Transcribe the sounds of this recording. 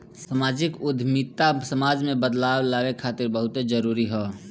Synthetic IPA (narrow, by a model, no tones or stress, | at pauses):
samaːd͡ʒɪkʊd̪ʱmit̪asəmaːd͡ʒmẽbəd̪laːwlaːwekʰaːt̪ɪɾbəɦʊt̪d͡ʒəɾuːɾiɦɛː